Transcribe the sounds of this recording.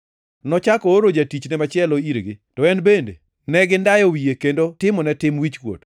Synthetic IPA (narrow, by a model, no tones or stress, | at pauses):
nɔt͡ʃakɔoɾod͡ʒatit͡ʃnɛmat͡ʃɪɛloiɾɡɪtɔɛnbendḛ | nɛɡɪndajɔwijekendotɪmɔnɛtɪmwit͡ʃkwo̰t